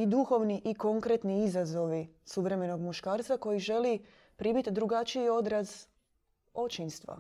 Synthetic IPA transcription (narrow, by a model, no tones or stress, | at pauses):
id̪uxo̞ʋniʔiko̞ŋkɾet̪niizazo̞ʋisuʋɾe̞me̞no̞ɡmuʃkaːɾt̪sako̞jiʒe̞li | pɾiːmit̪d̪ɾuɡat͡ʃijio̞d̪ɾaz | o̞t͡ʃinst̪ʋa̰